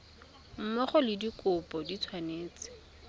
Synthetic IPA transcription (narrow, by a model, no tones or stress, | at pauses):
m̩mɔχɔlɪdikʼʊpʼɔdit͡sʰwaneːt͡sɪ̥